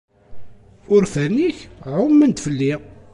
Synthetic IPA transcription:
ʊɾfæniçʕʊmːənt̪fəlːi

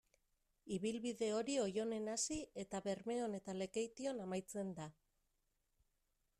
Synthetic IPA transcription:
iβilβiðe̞o̞ɾio̞jo̞ne̞nasie̞t̪aβe̞ɾme̞o̞ne̞t̪ale̞ke̞jt̪io̞namajt͡se̞nd̪a

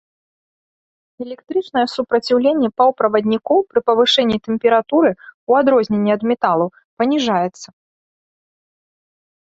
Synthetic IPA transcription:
ɛlʲɛkt̪ɾɨt͡ʂnɐjɛsupɾɐt͡sʲiwlʲenʲːɛpɐwpɾɐvɐd̪ʲnʲikɔwpɾɨpɐvɨʂɛnʲːit̪ɛmʲpʲɛɾat̪uɾɨuad̪ɾɔzʲnʲenʲːiɐd̪mʲɛt̪alˠu | pɐnʲiʐajɛt̪sːɐ

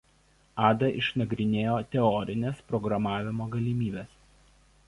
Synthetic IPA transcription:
ɑːd̪ɐʔɪʃnɐɡɾʲɪnʲeːjoːt̪ʲɛɔɾʲɪnʲespɾɔɡɾɐmɑːʋʲɪmoːɡɐlʲimʲiːbʲɛs

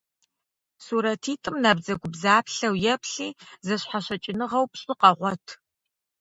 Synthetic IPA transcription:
suɾɐtʰiːtʼɨmnɐbzɐɡʷʊbzaːpɬɐwjɛpɬiːzɐɕħaɕɐt͡ʃʼɪnɨʁɐwpɕʼɪqɐʁʷɔtʰ

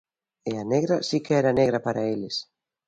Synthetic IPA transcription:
eaneɣɾɐsikeɛɾaneɣ̞ɾɐpaɾaelɪs

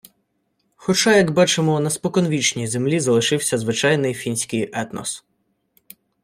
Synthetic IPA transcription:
xɔt͡ʃɑjɐɡbɑt͡ʃemɔnɐspɔkɔnʋʲit͡ʃnʲizemlʲizɐlˠɪʃɪwsʲɐzʋɪt͡ʃɑjnɪjfʲinʲsʲkɪjɛt̪nɔ̰s

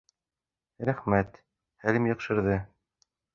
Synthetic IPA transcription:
ɾæχmæt̪ | hælɘmjɤ̆qʃɤ̆ɾðɤ

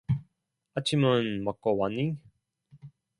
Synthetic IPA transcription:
at͡ɕʰimɯnmak͈owanːi

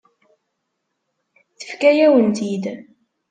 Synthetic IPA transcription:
θə̥fkæjæwənt̪id̪

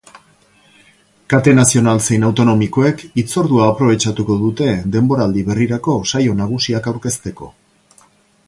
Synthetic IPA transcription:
kat̪e̞nasio̞nalt͡sejnawt̪o̞no̞miko̞e̞kit͡so̞ɾðuaːpɾo̞β̞e̞t͡ʃat̪uko̞ðut̪e̞d̪e̞mbo̞ɾald̪iβe̞riɾako̞sajo̞naɣ̞usiakawɾke̞st̪e̞ko̞̰

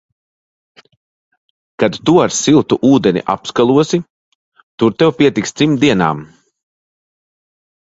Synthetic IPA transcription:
kad̪t̪uaɾsilˠt̪uʔuːd̪ɛnḭʔa̰pskalˠuɔsi | t̪uɾt̪ɛwpiɛt̪ikst̪ɾimd̪iɛna̰ːm

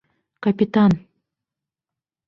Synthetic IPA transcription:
kapʲit̪an

